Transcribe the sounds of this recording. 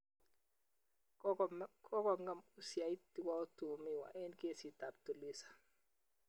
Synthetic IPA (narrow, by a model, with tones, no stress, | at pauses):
kʰɔ˦kɔ˨ŋɡa˨mu˦sja˨i˦ti˨˦wa˦ɔ˦tu˨mi˦wa̰˨ʔɛ˦nke˦si˨t̪a˨p̚t̪u˨li˦sḁ˨